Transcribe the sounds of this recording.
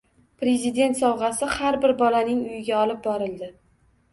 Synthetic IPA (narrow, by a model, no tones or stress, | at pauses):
pɾe̞zɪd̪e̞nt̪sɒwʁɑsɪhaɾbɪɾbɒlanɪŋʊjɪɡʲaɒlɪp̚bɒɾɪlˠd̪ɪ